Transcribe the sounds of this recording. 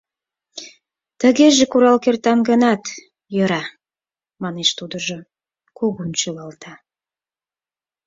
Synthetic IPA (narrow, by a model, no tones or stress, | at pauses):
t̪ə̆ɣeʒekuɾɑlkert̪ɑmɡənɑt̪ | jəɾɑ | mɑneʃt̪ud̪ə̆ʒo | koɣunt͡ɕølɑlt̪ʰɑ